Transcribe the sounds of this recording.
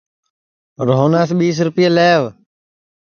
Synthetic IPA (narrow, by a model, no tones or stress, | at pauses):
ɾoːnaːsɓiːs̬ɾʊpɪjaleːʋ